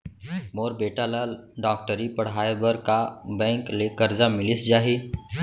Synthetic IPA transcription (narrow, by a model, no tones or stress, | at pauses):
moːɾbeːʈalaɖɔːk̚ʈəɾipɐɽ̤aːebəɾkabɛ̃ːŋklekɐɾzamɪlɪsd͡ʒaːɦiː